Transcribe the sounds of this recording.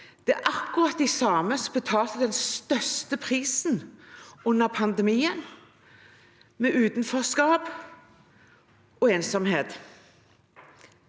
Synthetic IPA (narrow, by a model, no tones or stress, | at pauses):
d̪̥ɛʔɑkːʊʁɑt̪ːɪsɑːməsbət̪ʰɑːlt̪əd̪ɛnst̪œʁst̪əpʰʁiːsnʊnːəʁpʰɑnd̪ɛmiːən | mɛʔʉːt̪nføːskɑːb | ɔeːnsɔmheːt̪